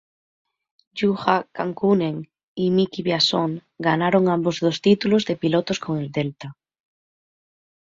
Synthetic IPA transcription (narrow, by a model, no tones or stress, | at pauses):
ʎuxakaŋkunẽŋ | imikiβjasoŋɡanaɾoŋãmbozðost̪it̪ulozðepilot̪oskoŋeld̪elt̪a